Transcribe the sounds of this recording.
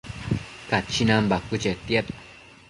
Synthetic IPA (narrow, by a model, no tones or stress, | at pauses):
kat͡ʃinãmbakut͡ʃet̪jet